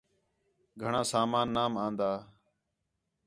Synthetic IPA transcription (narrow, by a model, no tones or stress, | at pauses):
ɡʱəɳãːsaːmaːnːaːmãːnd̪aː